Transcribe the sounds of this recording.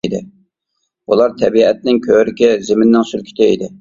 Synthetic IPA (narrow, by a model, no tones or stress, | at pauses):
d̪ɪ | ulˠɑɾt̪ʰɛbiɛt̪̚nɪŋkʲʰøɾɪkʲɪzɪmɪnːɪŋsylkʲʰi̥t̪ʰɪid̪ɪ